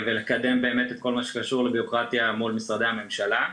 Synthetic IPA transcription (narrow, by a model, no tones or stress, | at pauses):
vele̞kad̪e̞mbe̞ːme̞t̪et̪̚ko̞lmaʃe̥kaʃuʁlebiokʁat̪jamulmisʁad̪ehame̞mʃala